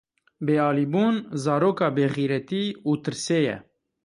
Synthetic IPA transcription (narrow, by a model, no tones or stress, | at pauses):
beːɑːliːbuːnzɑːɾoːkɑːbeːɣiːɾɛt̪iːuːt̪ɨɾseːjɛ̰